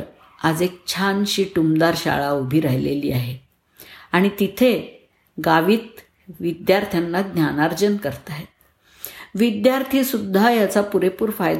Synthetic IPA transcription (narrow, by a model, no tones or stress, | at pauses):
ad͡zek̚t͡ɕʰanɕiːʈumd̪aɾɕa̰ɭaubʱiːɾaɦjlḛlḭːaɦe | aɽ̃it̪it̪ʰe | ɡaʋiːt̪ | ʋid̪jaɾt̪ʰjanːaɡnjanaɾd͡ʑənkəɾt̪aɦet̪̚ | ʋid̪jaɾt̪ʰiːsud̪ʱːajat͡sapuɾepuːɾfajd̪